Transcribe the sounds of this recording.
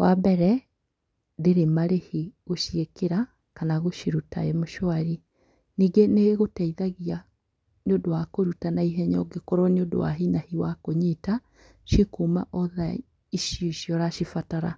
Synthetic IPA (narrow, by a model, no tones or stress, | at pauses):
wabɛɾɛ | deɾemaɾehiɣoʃiekeɾa | kanaɣoʃiɾuta̰emoʃoaɾi | niːɡeneɣɣotɛiðaɣia | neodowakoɾutanaiɦɛɲɔɡekɔɾɔneodo̰wa̰ɦinahiwakoɲita | ʃikuma̰ʔɔða | iʃjoʃjɔɾaʃifataɾa̰